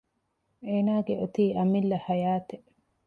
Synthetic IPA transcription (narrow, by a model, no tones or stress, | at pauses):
ʔeːnaːɡeʔot̪iːʔɐmilːɐhɐjaːt̪e